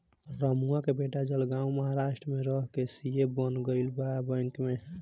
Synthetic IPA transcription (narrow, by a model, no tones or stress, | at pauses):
ɾəmuakebeʈad͡ʒəlɡãũməɦaɾaʃʈɾəmeɾəɦkesijebənɡəɪlbabəŋkme